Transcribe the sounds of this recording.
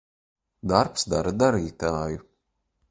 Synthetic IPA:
d̪aɾpsd̪aɾad̪aɾiːt̪aːju

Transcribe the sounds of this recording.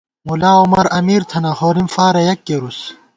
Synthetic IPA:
mulaːomɐɾɐmiːɾt̪ʰɐnɐhoːɾimfaːɾɐjɐkːeɾus

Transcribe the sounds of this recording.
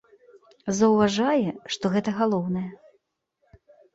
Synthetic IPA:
zɐwvaʐajɛʂt̪ɔɣɛt̪ɐɣalˠɔwnɐjɛ

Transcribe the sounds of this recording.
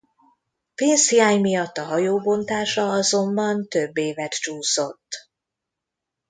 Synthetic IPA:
peːnshijaːɲmijɒt̪ːɒɦɒjoːbo̞nt̪aːʃɒɒzo̞mbɒnt̪øbːeːvɛt̪t͡ʃuːso̞t̪ː

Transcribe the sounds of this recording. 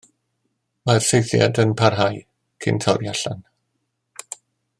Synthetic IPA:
marsejθja̰dənpʰarɦaj | kʰɪ̰ntʰɔrjaɬan

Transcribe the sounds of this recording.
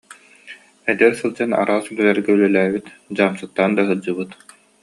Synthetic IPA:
ɛd̪ɛɾsɯlˠd͡ʑana̰ɾaːsɡɛlɛɾɡɛylœlæːbit̪d͡ʑaːmsɯt̪ːaːnd̪aɦɯd͡ʑɯbɯt̪

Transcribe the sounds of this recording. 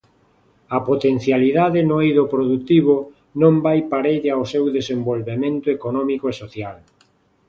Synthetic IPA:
ɐpot̪en̟θjaliðaðɪnoiðopɾoðut̪iβʊ | nõmbajpaɾeʎeawsewðesembolβemẽnt̪ʊekonɔmikoesoθjal

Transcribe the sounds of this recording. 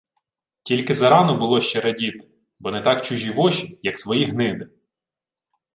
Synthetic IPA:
tʲilʲkɪzɐɾɑnɔbʊlˠɔʃt͡ʃɛɾɐdʲit̪ɪ̥ | bɔnɛt̪ɑkt͡ʃʊʒʲiʋɔʃi̥jɐksʋɔjiɦnɪb̪ɪ

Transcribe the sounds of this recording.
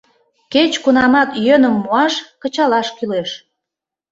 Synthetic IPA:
ket͡ɕkunɑmɑt̪jønəmːuɑʃkə̆t͡ɕɑlɑʃkyleʃ

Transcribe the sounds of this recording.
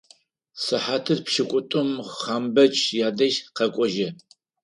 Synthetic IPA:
sɨħaːtʰɨrpʃɪkʷʼʊtʼʊmχaːmbɐt͡ʃʼʰjaːdɐʃqɐkʷʼɔʒɐ

